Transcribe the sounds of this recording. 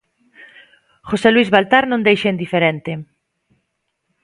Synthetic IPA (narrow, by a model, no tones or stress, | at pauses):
χoseluizβalt̪aɾnõnd̪ejʃend̪ifeɾent̪ɪ